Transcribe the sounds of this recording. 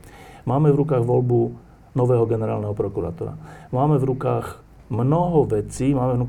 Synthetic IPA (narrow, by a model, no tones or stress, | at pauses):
maːmɛvɾukaːɣʋɔlbu | nɔʋɛːɦɔɡɛnɛɾaːlnɛɦɔpɾɔkuɾa̰t̪uɾa̰maːmɛvɾukaːɣ | mnɔɦɔʋɛt͡siːmaːmɛvnuk